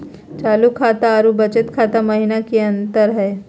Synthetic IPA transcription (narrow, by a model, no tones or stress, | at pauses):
t͡ʃaːlukʰaːt̪aːɾubɐt͡ʃət̪kʰaːt̪amɐɦinakiɐ̃nt̪əɾɦɛː